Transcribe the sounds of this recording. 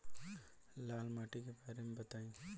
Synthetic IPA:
laːlmaːʈikebaːɾemẽbɐt̪aːĩ

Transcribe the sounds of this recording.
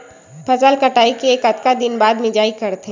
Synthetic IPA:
pʰɐzəlkɐʈaːikeːkɐt̪kad̪ɪnbaːd̪mɪd͡ʒaːikɐɾt̪e

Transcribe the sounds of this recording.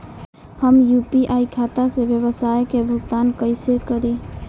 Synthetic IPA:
həmjupiʔaikʰat̪asebjəbəsajkebʱʊɡt̪aːnkəɪsekəɾi

